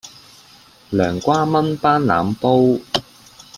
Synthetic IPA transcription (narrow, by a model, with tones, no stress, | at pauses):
lœː˨˩ŋkʷaː˥mɐ˥npaː˥nla̰ː˨˥mpo˥w